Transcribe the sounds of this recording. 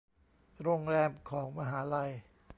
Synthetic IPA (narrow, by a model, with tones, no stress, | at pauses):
ɾoː˧ŋɾɛː˧mkʰɔː˩˦ŋma˧ɦaː˩˦la˧j